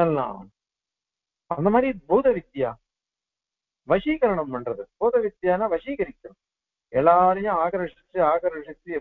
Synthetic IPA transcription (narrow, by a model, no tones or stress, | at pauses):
ɐlːa̰ː | ɐnd̪ɐmaːd̪ɾid̪̚bʱuːd̪ɐʋid̪jaː | ʋɐʂiːɣɐɾɐɳɐmuɳɖrɐðɨd̪̚bʱuːd̪ɐʋid̪jaːnaʋɐʂiːɣɐɾikʲːun | ɛɭːaːɾɐjuaːɣɐɾʂit͡ʃːɨaːɣɐɾʂit͡ʃːɨ